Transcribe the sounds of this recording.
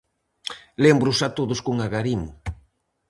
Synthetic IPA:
lembɾʊsat̪oðʊskoŋaɣaɾimʊ

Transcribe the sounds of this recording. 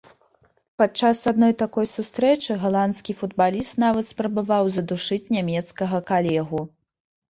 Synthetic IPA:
pat͡ʂːasad̪nɔjt̪akɔjsust̪ɾɛt͡ʂɨɣalˠant̪skʲifud̪balʲist̪navɐt̪spɾɐbavawzɐd̪uʂɨt͡sʲnʲamʲɛt̪skɐɣɐkalʲɛɣu

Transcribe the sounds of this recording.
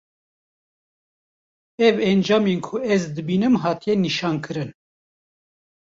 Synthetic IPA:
ɛvɛnd͡ʒɑːmenkʰʊɛzd̪ɨbiːnɨmɦɑːt̪ijɛniʃɑːnkʰɨɾɨn

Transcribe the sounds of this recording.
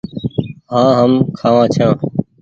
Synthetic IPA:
ɦãːɦəmkʰaːʋãːt͡ʃʰãː

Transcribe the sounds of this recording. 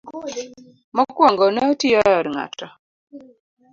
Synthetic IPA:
mɔkwɔŋɡɔnɛotijɔjɔɾŋa̰tɔ

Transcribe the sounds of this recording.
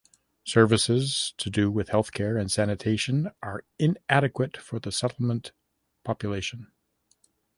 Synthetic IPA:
sɜ˞vɨsɪz̥tʰɨdɨwɪð̥hɛlˠθkʰɛɹɨ̃nsænɨtʰeɪʃɨ̃nʔə˞ɪ̃næɾɨkwɨtfə˞ðɨsɛɾl̩ˠmə̃n | pʰɑpjɨleɪʃɨ̃n

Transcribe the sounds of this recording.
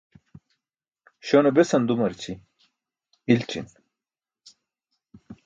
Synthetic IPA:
ɕonɐbesɐnd̪umɐɾt͡ɕʰi | ilʈ͡ʂʰḭn

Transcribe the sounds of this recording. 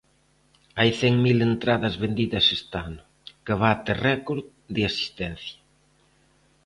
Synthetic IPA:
ajθɛŋmilent̪ɾaðɐzβend̪iðɐsest̪anʊ | keβat̪erɛkoɾð | ðɪasi̥st̪ɛn̟θjɐ̥

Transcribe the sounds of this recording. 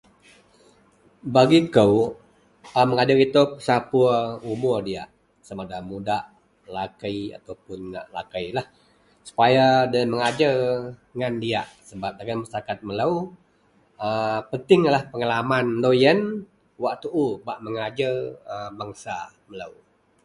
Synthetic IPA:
baɡikəw | əməŋad͡ʒəkit̪opə̥sapuumʊrdia̰ʔ | səmadamudaʔ | lakəja̰t̪awpʊnlakəjlah | su̥pajadəməŋad͡ʒərŋandiaʔsəbap̚daɡaməst̪akat̪̚mələw | əpənt̪ɪŋlahpəŋalamanlojən | waʔt̪uʔubaʔməŋad͡ʒərəbaŋsa̰ | mələ̰w

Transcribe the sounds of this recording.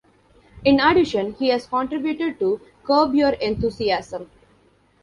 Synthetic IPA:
ɪ̃naɖɪʃə̃nhiːɛzkɔ̃ɳʈɾɪbjuʈeɖ̚ʈu | kəːbjoɾẽnt̪ʰuːsiæsə̃m

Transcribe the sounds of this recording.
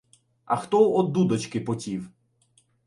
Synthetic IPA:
ɐxt̪ɔɔd̪ud̪ɔt͡ʃkɪpɔtʲiw

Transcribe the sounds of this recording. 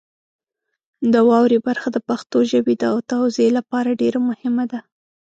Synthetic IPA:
d̪əwɑwɾebaɾxad̪əpaxt̪oʒəbid̪awt̪awzelapɑɾaɖeɾamʊhɪmad̪a

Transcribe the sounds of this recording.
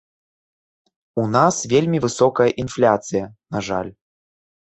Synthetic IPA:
unasvʲelʲmʲivɨsɔkɐjɐʔinflʲat̪sɨjɐnaʐa̰lʲ

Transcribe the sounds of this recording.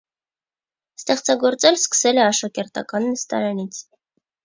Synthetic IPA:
st̪ɛχt͡sɑɡɔɾt͡sɛlskə̥sɛlɛɑʃɑkɛɾt̪ɑ̰kɑnːəst̪ɑ̰ɾɑnit͡sʰ

